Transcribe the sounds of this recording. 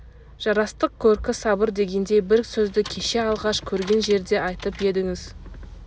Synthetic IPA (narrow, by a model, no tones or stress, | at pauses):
ʒ̥ɑɾɑst̪əq̚kʲʰɵɾkʲɪsɑbəɾd̪e̞ɡʲe̞nd̪e̞bɪɾsɵzd̪ɪkʲʰe̞ʃe̞ɑlˠʁɑʃkʲʰɵɾɡʲe̞nʒe̞ɾd̪e̞ɑjt̪əpje̞d̪ɪŋɪz